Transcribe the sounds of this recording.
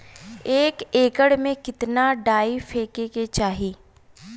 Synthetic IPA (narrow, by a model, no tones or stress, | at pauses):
eːkeːkəɽmẽkɪt̪naɖaːifʰeːkeket͡ʃaːɦiː